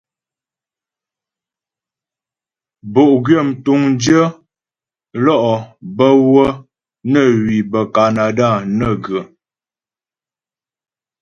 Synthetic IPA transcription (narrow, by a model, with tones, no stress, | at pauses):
bo˨ʔɡɥə˦˨m̩˨tu˨ŋn˦d͡ʒə˦ | lɔ˦˨ʔɔ˨bə˦wə˦ | nə˦˨ɥi˨bə˨ka˨na˨da˦˨nə˨ɡə˨